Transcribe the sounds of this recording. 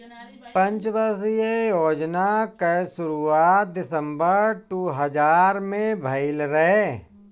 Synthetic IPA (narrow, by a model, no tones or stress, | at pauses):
pə̃nt͡ʃbəsijejoːd͡ʒnakəsʊɾuaːt̪̚d̪ɪsə̃mbəɾʈuːɦəd͡ʒaːɾmẽbʱɐɪlɾɛɦe